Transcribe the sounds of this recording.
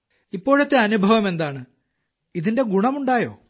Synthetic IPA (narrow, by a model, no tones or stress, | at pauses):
ipːo̞ːɻet̪ːeɐnubʱɐʋɐme̞nd̪aːɳɨ | iðinde̞ɡuɳɐmuɳɖaːjo̰ː